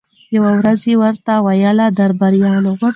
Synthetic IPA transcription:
jawawɾazewəɾt̪awajəlad̪aɾbaɾjɑloɣa

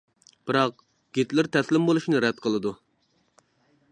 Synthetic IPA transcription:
b̥ɨɾɑq̚ | ɡ̥ʲet̪lɪɾt̪ʰɛslɪmbolˠuʃinɨɾɛd̪̚qʰəlˠɨd̪u

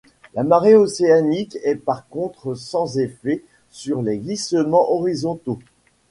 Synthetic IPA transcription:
lamaʁeoseanikɛpaʁkɔ̃t̪χəsɑ̃zefɛ | syʁleɡlisəmɑ̃ʔɔʁizɔ̃t̪o

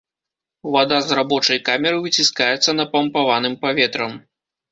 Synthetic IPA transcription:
vad̪azrabɔt͡ʂɐjkamʲɛɾɨvɨt͡sʲiskajɛt̪sːɐnɐpɐmpavanɨmpavʲɛt̪ɾɐm

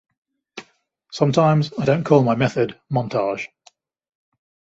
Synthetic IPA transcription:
sʌ̃mtʰãɪ̃mzaɪdə̃ʊ̃nkʰɔːlˠmaɪmɛθədmɒ̃ntʰɑːʒ̥

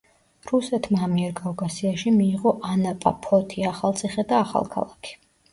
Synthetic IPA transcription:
ɾusɛt̪ʰmaːmiɛɾɡʼavɡasiaʃimiːʁɔʔanapʼa̰pʰɔt̪ʰiaχalˠt̪sʰiχɛd̪aːχa̰lˠkʰa̰lˠakʰi̥

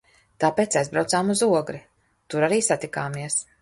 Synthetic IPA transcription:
t̪aːpeːt̪sajzbɾawt̪saːmuzuɔɡɾi | t̪uɾaɾiːsat̪ikaːmiɛs

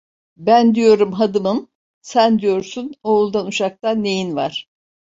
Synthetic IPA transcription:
bænd̪ijo̞ɾumɦad̪ɯmɯm | sænd̪ijo̞ɾsunoːlˠd̪anuʃak̚t̪anːe̞jinvaɾ̥

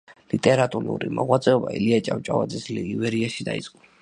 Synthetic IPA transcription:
lit̪ʼɛɾat̪ʼuɾṵɾimɔʁwat̪sʼɛɔba̰ḭliat͡ʃʼamt͡ʃʼavad̪zɛsliivɛɾiaʃid̪aḭt̪sʼqʼu

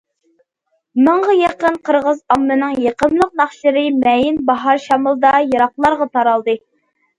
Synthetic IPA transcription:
məɴʁɑjeqənqʰəɾʁəzɑmːɨnɨŋjeqəmlˠəq̚nɑχʃɨɾɨmɛjinbɑɦɑɾʃɑmɨlˠd̪ɑjɑɾɑqlˠɑɾʁɑt̪ʰɑɾɑlˠd̪ɨ

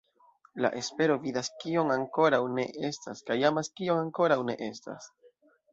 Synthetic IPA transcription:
la̰ʔe̞spe̞ɾo̞vidaskio̞ŋaŋko̞ɾawne̞ʔe̞staskajamaskio̞ŋaŋko̞ɾawne̞̰ʔe̞sta̰s

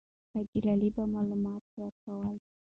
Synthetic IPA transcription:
aɡilalibamaləmat̪̚ɾakawal

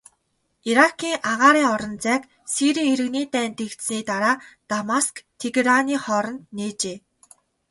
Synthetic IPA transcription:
iɾakʰiːŋʔaʁaːɾiːŋɔɾɞ̆nt͡sæːk | siɾiːeɾɘ̆ɣniːt̪æːnt̪ekt̪sniːt̪aɾaːt̪amaskt̪ʰːeɡeɾaniːχɔɾɞ̆nt̪neːt͡ɕeː

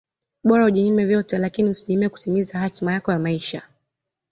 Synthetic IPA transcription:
ɓɔɾauʄiɲimɛvjɔtɛlakinihusiɲimiɛku̥timizahatmajakɔjamaiʃa

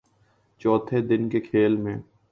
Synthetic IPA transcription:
t͡ʃɔːt̪ʰed̪ɪnkekʰeːlmẽː

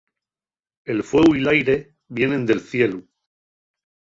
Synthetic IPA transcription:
e̞lfwe̞ɣwilajɾe̞ | βje̞nẽ̞nd̪e̞lθje̞lu

